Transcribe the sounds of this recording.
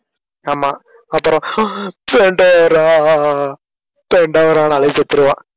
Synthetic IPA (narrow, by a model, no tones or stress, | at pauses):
aːmaː | ɐpːɯɾɔ̃peɳɖɐɾaː | peɳɖɐʋɾãːnalɐset̪ːɯɾɯʋãː